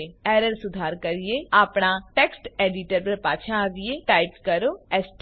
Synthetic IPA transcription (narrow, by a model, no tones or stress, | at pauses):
ɛːɾəɾsʊd̪ʱaːɾkəɾɪjeaːpɳaʈɛːksʈɛːɖiʈəɾpəɾpaːt͡ʃʰãʋijeʈaːɪpkəɾoːɛːsʈ